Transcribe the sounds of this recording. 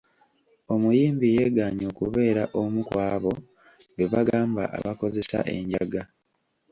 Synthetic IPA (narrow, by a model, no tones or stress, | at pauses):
o̞mujiːmbije̞ɡaːɲo̞ːkuβe̞ːɾaʔomukwaːβo̞ | weβaɡaːmba̰ʔa̰βako̞ze̞sa̰ʔe̞̰ɲɟaɡa